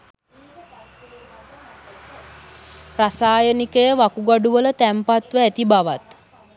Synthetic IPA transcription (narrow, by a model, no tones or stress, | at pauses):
prasaːjənikəjəʋakuɡaɖuʋələt̪æmpat̪ʋəæt̪ibaʋat̪